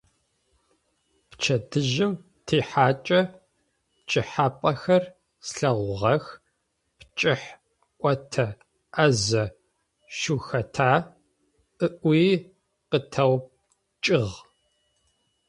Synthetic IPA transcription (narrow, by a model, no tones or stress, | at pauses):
pt͡ʃʰɐdɨʒɪm | tʰeːħaːt͡ʃʼɐ | pt͡ʃʼɪħaːpʼɐxɐr | sɬɐʁʷʊʁɐx | pt͡ʃʼɪħ | ʔʷʼɔtʰɐ | ʔɐzɐ | ʃuːxɐtʰaː | ʔɨʔʷiː | qətʰɐw | t͡ʃʼɪʁ